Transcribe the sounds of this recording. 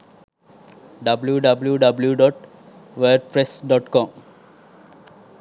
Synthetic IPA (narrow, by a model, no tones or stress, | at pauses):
ɖɐbljuɖɐbljuɖʌbljuɖɔːʈ | ʋəːɖ̚pɾesɖɔːʈkɔ̃ːm